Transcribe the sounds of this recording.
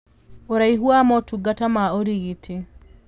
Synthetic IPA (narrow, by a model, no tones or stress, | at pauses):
oɾaiɦuamɔtuɡatamaoɾiɣitʰi